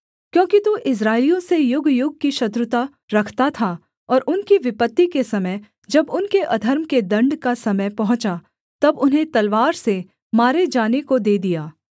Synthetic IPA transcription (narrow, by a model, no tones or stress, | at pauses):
kjõːkit̪uʔɪs̬ɾaːɪlijõsejʊɡjʊɡ̚kiʃɐt̪ɾʊt̪a | ɾɐkʰt̪at̪ʰa | ɔːɾʔʊnkiʋɪpət̪ːikesɐməj | d͡ʒɐbʊnkeʔɐd̪ʱəɾmked̪ɐ̃ɳɖkasɐməjpɐɦʊ̃t͡ʃa | t̪ɐbʊnɦẽt̪ɐlʋaːɾse | maːɾed͡ʒaːnekod̪eːd̪ijaː